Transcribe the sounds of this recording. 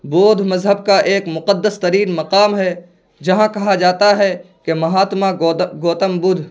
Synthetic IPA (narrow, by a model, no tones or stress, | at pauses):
boːd̪ʱmɐzɦəbkaʔeːkmʊqəd̪ːəst̪ɐɾiːnmɐqaːmɦɛ | d͡ʒɐɦãkɐɦad͡ʒaːt̪aɦɛ | kemɐɦaːt̪maɡoːt̪əmbʊd̪ʱ